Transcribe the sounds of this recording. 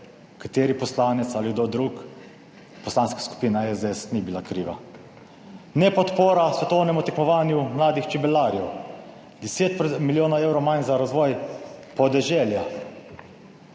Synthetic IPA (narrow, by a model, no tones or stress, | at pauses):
kat̪eːɾipɔslaːnɛt̪saliɡd̪od̪ɾuk | pɔslaːnskḁsku̥piːnaɛzd̪ɛsnibilakɾiːʋa̰ | nɛpɔt̪poːɾasʋɛt̪ɔwnɛmut̪ɛkmɔʋaːnjumlaːd̪ixt͡ʃibɛlaːɾjɛw | d̪ɛseːt̪̚pmiljoːnɔewɾɔwmajnzaɾazʋɔjpɔd̪ɛʒɛlja